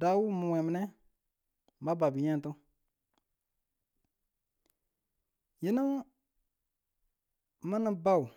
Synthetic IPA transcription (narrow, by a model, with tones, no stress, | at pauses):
da˨˦wu˦mũ˨wɛ̃˨mɛ˨nɛ̃˦˨ | ba˦ba˨bi˨ɲã˦˨tũ˦ | ji˦nũ˦ | mã˦nã˧ba˦˨u˨